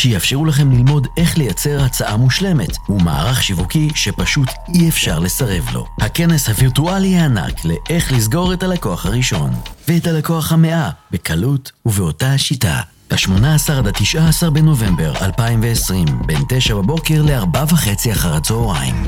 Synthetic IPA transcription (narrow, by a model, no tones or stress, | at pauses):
ʃejafʃeʁulaχe̞mlilmo̞de̞χle̞jat͡se̞ʁhat͡saʔamuʃle̞me̞tuma̰ːʁaχʃivukiʃe̞paʃut | iefʃaʁle̞saʁe̞vlo̞̰hake̞ne̞shaviʁtualiaːna̰kle̞ʔeχlizɡo̞ʁe̞talako̞aχhaʁiʃo̞̰nveetalako̞aχhame̞ʔab̥e̞kʰalutuveotaʃita̰ | laʃmo̞naːsaʁd̪atiʃʔaːsaʁbe̞no̞ve̞mbe̞ʁa̰lpaimveːsʁimbe̞nte̞ʃababo̞ke̞ʁle̞aʁbavaχe̞t͡siaχaʁat͡soːʁaḭm